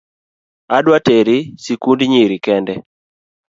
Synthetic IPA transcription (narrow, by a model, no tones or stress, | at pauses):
adwateɾɪsikundɲiɾikɛndɛ